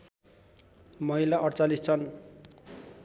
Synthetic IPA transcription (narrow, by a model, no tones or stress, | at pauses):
mʌɦilaʔʌɽt͡salist͡sʰʌn